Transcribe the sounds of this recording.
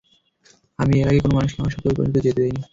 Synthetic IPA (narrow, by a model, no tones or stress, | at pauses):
amieɾaɡekonomanuʃɔ̃ŋoʃɔeuɾpo̰it̪od͡ʑet̪ed̪ajni